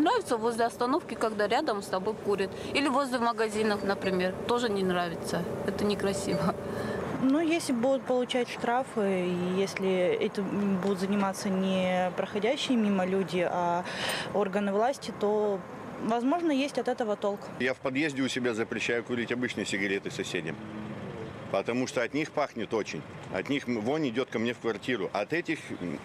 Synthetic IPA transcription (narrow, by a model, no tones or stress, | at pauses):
nɾavʲɪt̪səvo̞zʲlʲɪɐst̪ɐno̞fkʲɪkɐɡd̪aɾʲad̪əmst̪ɐbo̞jkuɾʲɪt̪ | ilʲɪvozʲlʲɪməɡɐzʲinəfnəpɾʲɪmʲe̞rt̪o̞ʐɨnʲɪnɾavʲɪt̪səɛt̪ənʲɪkɾɐsʲivə | nujesʲlʲɪbud̪ʊt̪̚pəlˠʊt͡ɕætʲʂt̪ɾafɨijesʲlʲɪɛtʲɪmbud̪ʊt̪zənʲɪmat̪sənʲɪpɾəxɐdʲæɕːɪjəmʲiməlʲudʲɪʔa | o̞rɡənɨvlˠasʲtʲɪt̪o̞ | vɐzmo̞ʐnəjesʲtʲɐt̪ɛt̪əvət̪o̞lˠkjafpɐd̪jezʲdʲɪʊsʲɪbʲazəpɾʲɪɕːæjʊkʊɾʲitʲɐbɨt͡ɕnɨjsʲɪɡɐɾʲet̪ɨsɐsʲedʲɪ̰m | pət̪ɐmuʂt̪oɐt̪nʲixpaxnʲɪt̪o̞t͡ɕɪ̰nʲɐ̰t̪nʲixvonʲɪdʲo̞t̪̚kɐmnʲefkvɐrtʲiɾʊʔɐt̪ɛtʲɪx